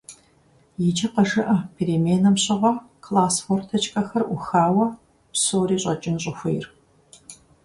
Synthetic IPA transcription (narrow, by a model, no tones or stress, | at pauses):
jɪd͡ʒɐqəʒɨʔɐpʰeɾeːmeːnɐmɕɪʁɐkʰlaːsfortʰɐt͡ʃʼkʼɐxɐrʔʊxaːwɐ | psoːɾiːɕʼɐt͡ʃʼɪnɕʼɪxʷɪjr